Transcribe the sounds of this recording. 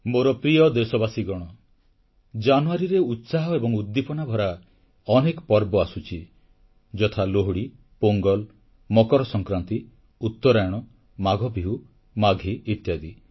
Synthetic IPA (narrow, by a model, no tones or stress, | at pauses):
moɾɔpɾijɔd̪esɔbasiɡɔɽ̃ɔ | d͡ʒanuaɾiɾeut̪saɦɔebɔŋud̪ːipɔnabʱɔɾa | ɔnekɔpɔɾbɔasut͡ʃʰi | d͡ʒɔt̪ʰaloɦɽi | poŋɡɔl | mɔkɔɾɔsɔŋkɾant̪i | ut̪ːɔɾaɽ̃ɔ | maɡʱɔbʱiɦu | maɡʱiːt̪jad̪i